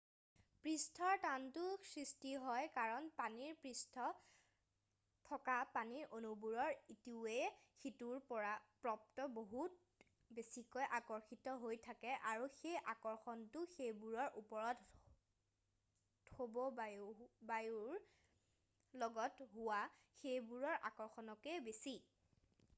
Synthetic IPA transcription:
pɹistʰɔɹtantʊsɹistiɦɔjkaɹɔnpaniɹpɹistʰɔ | tʰɔkapaniɹʔonubuɹɔɹitiɛxituɹpɔɹapɹɔp̚tɔboɦut̚ | besikɔjʔakɔɹxitɔɦojtʰakɛʔaɹuxejʔakɔɹxɔntʊxejbuɹɔɹʔupɔɹɔt | thobɔbabajuɹ | lɔɡɔtɦʊwa | xejbuɹɔɹʔa̰kɔɹxɔnɔkɛbesi

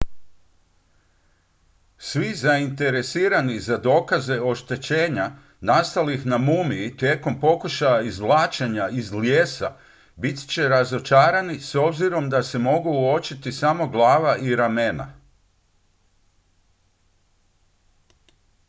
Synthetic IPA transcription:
sʋizaint̪e̞ɾe̞siːɾanizad̪o̞ːkaze̞o̞ʃt̪e̞t͡ɕe̞ːɲa | nast̪alixnamumiːt̪jeko̞mpo̞kuʃajaizʋlˠaːt͡ʃeɲaizljeːsa | bit̪t͡ɕe̞ɾazo̞t͡ʃaːɾaniso̞bziɾo̞md̪ase̞mo̞ɡuːo̞t͡ʃit̪isamo̞ɡlˠaːʋaʔiɾamena̰

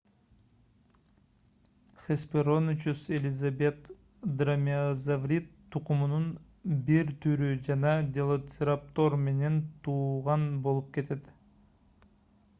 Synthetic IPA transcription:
χʲespʲeɾont͡ʃuselʲizabe̞t̪ | d̪ramʲiozavrʲit̪ʰː | uqumunun | biɾt̪ʰyɾyd͡ʒɑnɑd̪ʲelˠosʲɪɾap̚t̪o̞rme̞ne̞nt̪uːʁɑnbolˠup̚ke̞t̪e̞t̪

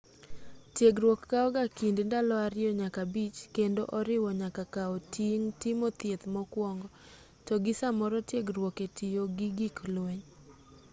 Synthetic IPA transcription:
tjeɡɾwokːaɔɡakindɪndalɔaɾɪɔɲakabit͡ʃkendo̰ʔɔɾɪwɔɲakakaɔtʰiŋtɪmɔt̪jet̪mɔkwɔŋɡɔ | tɔɡɪsamɔɾɔtjeɡɾwɔketʰɪjoɡɪɡiklweɲ

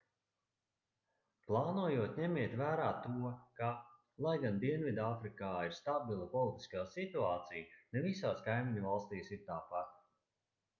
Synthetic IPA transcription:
plˠaːnuɔjuɔt̪ɲɛmiɛt̪væːɾaːt̪uɔka | lˠajɡand̪iɛnvid̪aːfɾikaːiɾst̪abilˠupɔlˠit̪i̥skaːsit̪uaːt̪sijnɛvisaːskajmʲiɲvalˠst̪iːsiɾt̪aːpat̪̚

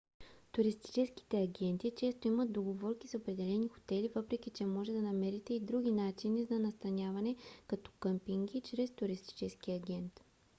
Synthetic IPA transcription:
t̪uɾist̪i̥t͡ʃɛski̥t̪ɛɐɡʲɛnt̪it͡ʃɛst̪oimɐt̪̚d̪oɡovɔɾkizopɾɛd̪ɛlɛnixo̥t̪ɛlivɤpɾɛk̟it͡ʃɛmɔʒɛd̪ɐnɐmɛɾit̪ɛid̪ɾuɡʲinat͡ʃinizɐnɐst̪ɐnʲavɐnɛkɐt̪ɔ̥kɤmpiŋɡʲit͡ʃɾɛst̪uɾist̪i̥t͡ʃɛskiɐɡʲɛnt̪

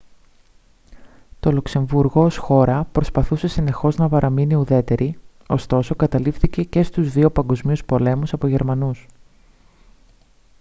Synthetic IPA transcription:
t̪o̞lukse̞ɱvuɾɣoosxo̞ɾɐpɾo̞spɐθuse̞sine̞xo̞znɐpɐɾʔɐminiuðe̞t̪e̞ɾʔi | o̞st̪o̞so̞kɐt̪ɐlifθice̞ce̞st̪uzðio̞pɐŋɡo̞zmiuspo̞le̞musɐpo̞ʝe̞ɾmɐnus

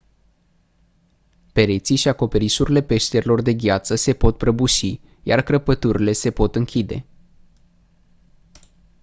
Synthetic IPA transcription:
pe̞ɾet̪siʃiako̞pe̞ɾiʃuɾile̞pe̞ʃt̪eɾilo̞rd̪e̞ɡʲjat̪səse̞po̞t̪̚pɾəbuʃi | ja̰rkɾəpət̪uɾile̞se̞po̞t̪ɨŋkʲid̪e̞̰

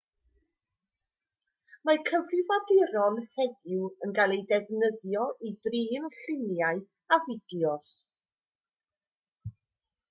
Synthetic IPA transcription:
makʰəvrɪvadɪɾɔnhɛðɪwənɡajlˠejdɛvnəðjɔidriːnɬɪnjaɨ | avɪdjɔs

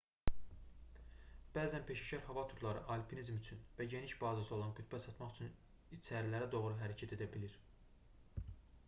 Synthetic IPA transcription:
b̥æːzænpʰe̞ʃæ̥cʰæɾɦɑvɑt̪ʰuɾlˠɑɾɯ̰ʔɑlʲpʰinizmyt͡ʃʰynvæɟeniʃbɑːzɑsɯo̞lˠɑnkʰyt̪̚bæsʰɑt̪mɑχy̥t͡ʃʰyn | it͡ʃʰæɾilæɾæd̪o̞ʁɾuɦæɾæcʰæt̪ʰe̞d̪æbiliɾ

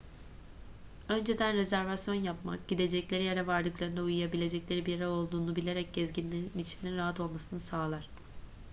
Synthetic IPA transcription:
ø̞nd͡ʒe̞d̪ænɾezæɾvasjo̞njapma̰k̚ɟ̥id̪e̞d͡ʒɛclʲe̞ɾije̞ɾɛvaɾd̪ɯklˠaɾɯnd̪aujujabilʲe̞d͡ʒɛclʲe̞ɾibijeɾɛo̞lˠd̪uːnubilʲe̞ɾɛc̚ɟɛzɟinlʲeɾinit͡ʃʰind̪inɾaɦat̪o̞lˠmasɯnɯsaːlˠaɾ̥

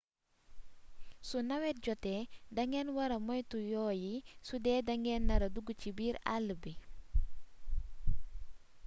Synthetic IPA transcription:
sunɐwɛt̚ɟɔtɛdɐŋɛnwɐɾɐmɔjtujɔːjisudɛːdɐŋɛnːɐɾɐduɡucibiːɾalːbi

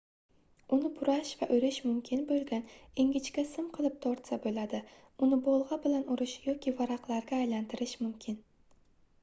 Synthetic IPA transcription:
ʊnɪbʊɾaʃvaʔɵɾɪʃmʊmkʲʰɪnbɵlˠɡʲaneŋɡʲɪt͡ʃkʲasɪmqʰɨlˠɪp̚t̪ʰɒɾt̪sabolad̪ɪ | ʊnɪbolˠʁɑbɪlanʊɾɪʃjɒkʲivaɾaqlˠaɾɡʲaːjlant̪ʰɪɾɪʃmʊmkʲʰɪn

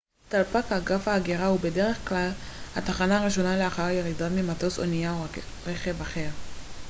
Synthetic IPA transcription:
talpakhaɡafaːɡeʁahube̞de̞ʁe̞χklal | hat̪aχanaːʁiʃo̞nale̞aχaʁjeʁidotmimato̞so̰nijao | ʁeχe̞vaχe̞ʁ

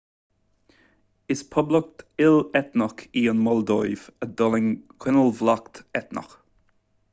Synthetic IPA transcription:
ɪspʰɔblək̚t̪ʰɪlɛt̪nəxiːənmɔld̪ɔjv̥əd̪ɔlɪŋkʰwɪnəlvlakt̪ɛt̪nə̰x

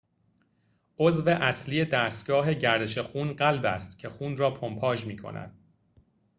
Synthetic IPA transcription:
ʔozve̞ʔæslije̞d̪æːsɡ̥ɒːɦe̞ɟæɾd̪e̞ʃe̞xuːnɢælbæːst̪cʰe̞xuːnɾɒːpʰompʰɒːʒmiːkʰo̰nʔæ̰d̪̥

